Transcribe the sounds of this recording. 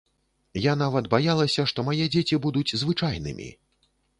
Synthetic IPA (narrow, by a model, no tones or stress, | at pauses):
jan̪avɐt̪bajalˠɐsʲɐʂt̪ɔmajɛd͡zʲet͡sʲibud̪ud͡zʲzvɨt͡ʂajn̪ɨ̰mʲḭ